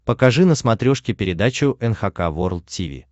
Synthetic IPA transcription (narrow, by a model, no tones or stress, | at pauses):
pəkɐʐɨnəsmɐt̪ɾʲoʂkʲɪpʲɪɾʲɪd̪at͡ɕʊʔɛnxɐkavorlˠt̪tʲivʲḭ